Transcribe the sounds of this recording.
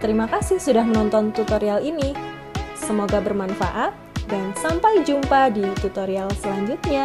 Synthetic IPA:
t̪əɾimakasɪhsudahmənɔnt̪ɔnt̪ut̪oɾialini | səmoɡabərmanfa̰ʔat̪̚dansampajd͡ʒumpadit̪ut̪oɾialsəlaɲd͡ʒut̪̚ɲa

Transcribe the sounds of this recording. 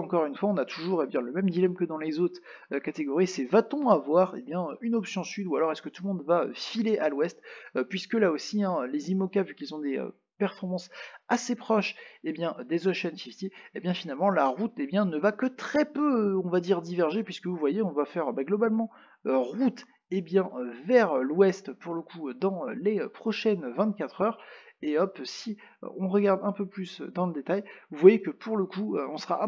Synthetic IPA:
ɑ̃kɔʁynfwaɔ̃nat̪ʰuʒuʁebjɛ̃ləmɛmd̪ilɛmkəd̪ɑ̃lezot̪χ | økat̪eɡɔʁisɛvat̪ɔ̃avwaʁḛbjɛ̃øynɔpsjɔ̃syd̪ualɔʁɛskət̪ulmɔ̃d̪vaø̰fileʔalwɛst̪pɥiskəlaosiɛ̃ølezimɔkavykʲilzɔ̃d̪eø̰ | pɛʁfɔʁmɑ̃sasepχɔʃebjɛ̃d̪ezoʃɛntivit̪eebjɛ̃finalmɑ̃laʁut̪ebjɛ̃nəvakət̪χɛpøɔ̃vad̪iʁd̪ivɛʁʒepɥiskəvuvwajeɔ̃vafɛʁbaɡlɔbalmɑ̃ | øʁut̪ | ebjɛ̃ʔøvɛʁlwɛst̪puʁləkʰuød̪ɑ̰̃leøpχɔʃɛnvɛ̃t̪̚kʲat̪χœʁeɔpsi | ø̰ɔ̃ʁəɡʲaʁd̪ɛ̃pøplysø̰d̪ɑ̃ləd̪et̪ajuvwajekəpuʁləkuøɔ̃səʁaʔ

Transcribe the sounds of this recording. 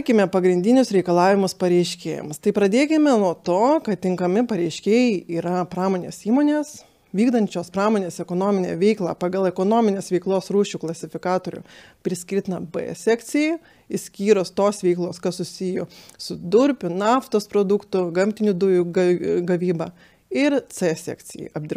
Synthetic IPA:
kʲɪmʲɛpɐɡɾʲɪnʲd̪ʲɪnʲʊsɾʲɛɪkɐlˠɑːʋʲɪmʊspɐɾʲɛɪʃʲkʲḛːjɛ̰mst̪ɐɪpɾɐd̪ʲeːkʲɪmʲɛnuɔt̪oːkɐt̪tʲɪŋkɐmʲɪpɐɾʲɛɪʃʲkʲeːjɛɪiːɾɐpɾɑːmoːnʲḛːsiːmoːnʲeːs | ʋʲiːɡd̪ɐnʲt͡ʃʲoːspɾɑːmoːnʲeːsɛkoːnoːmʲɪnʲɛ̰ːʋʲɛɪklˠɑ̰ːpɑːɡɐlˠɛkoːnoːmʲɪnʲeːsʋʲɛɪklˠoːsɾuːʃʲuklˠɐsʲɪfʲɪkɑːt̪oːɾʲʊ̰pʲɾʲɪsʲkʲɪɾʲt̪ʲɪnɐbɛ̰sʲɛkt͡s̪ʲɪjɛɪ | ɪsʲkʲiːɾost̪oːsʋʲɛɪklˠoːskɐssʊsʲɪjoːsʊd̪ʊɾʲpʲʊnɑːft̪oːspɾoːd̪ʊkt̪ʊɡɐmʲt̪ʲɪnʲʊd̪ʊjuɡɐɡɐʋʲiːbɐː | ɪɾt͡s̪ɛsʲɛ̰ːkt͡s̪ʲɪjɛ̰ɪɐb̚ʲd̪ʲɪɾ

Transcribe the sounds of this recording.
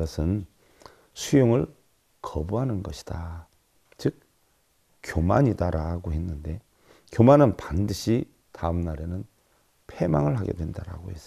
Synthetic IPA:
ʌsʰɯn | sʰujoŋɯɭ | kʰʌbuɦanɯnɡʌɕʰi̥d̥a | t͡ɕɯk̚ | k͈ːjomaɲidaɾaɡoɦe̞nːɯnde̞ | kjomanɯnpandɯɕʰi | taɯmnaɾe̞nɯn | pʰe̞maŋɯɭɦaɡe̞̰dwe̞ndaɾa̰ɡohe̞s͈

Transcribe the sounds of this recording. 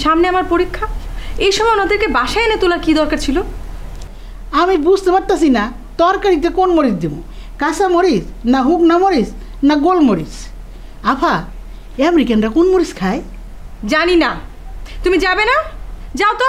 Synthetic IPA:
ʃamneamaɾpoɾikʰːaejʃɔmɔjonad̪eɾkebaʃaenet̪olaɾkid̪ɔɾkaɾt͡ɕʰilo | amibud͡ʑʱt̪epaɾt̪asʰina | t̪ɔɾkaɾit̪ekonmoɾid͡ʑd̪emo̰ | kasamoɾisnaɦuknamoɾis | naɡolmoɾis | apʰa | ɛmɾikanɖakonmoɾiskʰae | d͡ʑanina | t̪umid͡ʑabenad͡ʑaot̪o

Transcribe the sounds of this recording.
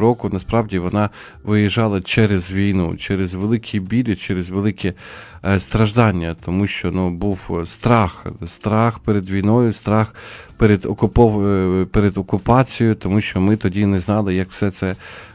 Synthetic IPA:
ɾɔkʊnɐspɾɑwdʲiʋɔnɑ | ʋɪjɪʒɑlˠɐt͡ʃɛɾezʋʲijnṵt͡ʃɛɾezʋelˠɪkʲʰibʲilʲɪt͡ʃɛɾezʋelˠɪkʰʲɛst̪ɾɐʒd̪ɑnʲːɐt̪ʰɔmuʃt͡ʃɔnubuwst̪ɾɑxst̪ɾɑxpeɾed̪ʋʲijnɔjʊst̪ɾɑxpeɾed̪ɔkʊpɔpeɾed̪ɔkʊpɑt͡sʲijʊt̪ɔmuʃt͡ʃɔmɪt̪ɔdʲinɛznɑlˠɪjɐkwsɛt̪sɛ

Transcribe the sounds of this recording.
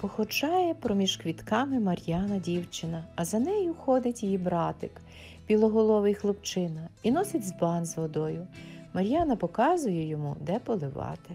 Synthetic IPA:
pɔxɔt͡ʃɑjɛpɾɔmʲiʒkʋʲit̪kɑmɪmɐɾʲjɑnɐdʲiwt͡ʃɪnɐːzɐnɛjʊxɔd̪ɪtʲjibɾɑt̪ɪk | bʲilˠɔɦɔlˠɔʋɪjxlˠʊpt͡ʃɪnɐinɔsʲɐtʲzbɑnzʋɔd̪ɔjʊmɐɾʲjɑnɐpɔkɑzʊjɛjɔmud̪ɛpɔlˠɪʋɑ̰t̪ɪ

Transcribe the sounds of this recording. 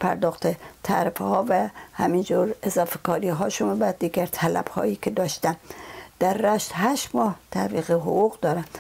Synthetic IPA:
pʰæɾd̪ɒːxt̪et̪ʰæ̰ɾfhɒːvæhæmind͡ʒuɾezɒːfekʰɒːɾiːɦɒːʃumbæd̪iːɡæɾt̪ʰælæ̰b̥hɒ̰ːjiːkʰed̪ɒːʃt̪æmd̪̥æɾːæʃt̪ɦæʃt̪mɒːht̪ʰæviːɣeɦoɣuɣd̪ɒːɾæm

